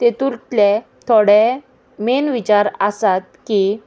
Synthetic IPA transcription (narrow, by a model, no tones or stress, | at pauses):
t̪et̪uɾʈle | t̪ʰoɽe | menʋit͡ɕaɾəsat̪̚ki